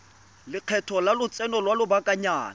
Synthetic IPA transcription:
lɪq͡χʰɛtʰɔlalʊt͡sʼɛnɔlwalʊbakʼaɲaːn

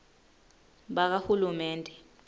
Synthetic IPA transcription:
ɓak̬ahulumɛːndʱɛ

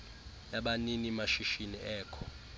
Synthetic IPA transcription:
jaɓaninimaʃiʃiniʔɛːkʰɔ̥

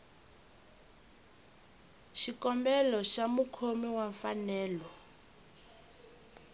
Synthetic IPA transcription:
ʃikɔmbɛlɔʃamukʰomiwaɱfanɛːlɔ

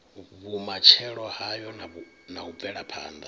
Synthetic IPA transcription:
βumat͡ʃʰɛɺɔhajɔn | naub̪vɛɺapʰa̰ːnd̪a

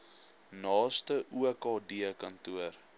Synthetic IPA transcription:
nɑːstəʔuəkɑːdiəkɐntuər

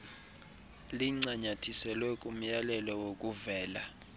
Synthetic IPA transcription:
liŋ͡ǀaɲatʰisɛlwɛkʼum̩jalɛlɔwok̬ʼuvɛːla

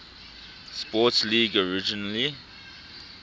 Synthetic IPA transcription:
spɔtsliːɡɔɹid͡ʒinali

